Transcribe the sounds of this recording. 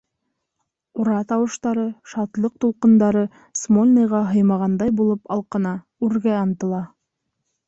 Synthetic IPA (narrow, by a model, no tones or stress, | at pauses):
uɾɑt̪ɑwɤ̆ʃt̪ɑɾɤʃɑt̪lˠɤq̚t̪ulˠqɤ̆nd̪ɑɾɤ | smolʲnɤjʁɑɦɤ̆jmɑʁɑnd̪ɑjbulˠɤpɑlˠqɤ̆nɑ | ʉɾɡæɑnt̪ɤ̆lˠɑ